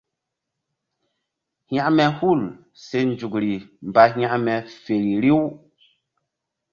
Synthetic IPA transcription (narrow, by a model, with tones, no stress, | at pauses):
hj̃ã˦ʔmɛ˨hu˦˨l | se˦nd͡ʒu˨kɾi˨m˨ba˨ɦj̃ã˦ʔmɛ˨fe˨ɾi˨ɾi˦w